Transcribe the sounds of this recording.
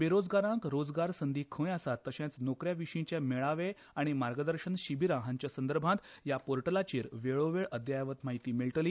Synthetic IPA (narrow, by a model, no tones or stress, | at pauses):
ʋeɾod͡zɡaɾãŋkɾod͡zɡaɾsənd̪ʱiːkʰə̃jasat̪ːəɕãt͡snokɾjaʋiɕĩɲt͡ɕjameɭaʋe | aɽ̃imaɾɡəd̪əɾɕənɕibʱiɾaɦãɲt͡ɕjasə̃nd̪əɾbʱãt̪japoɾʈəlat͡ɕiːɾʋeɭoʋeɭəd̪jajaʋət̪maɦit̪iːmiɭʈəliː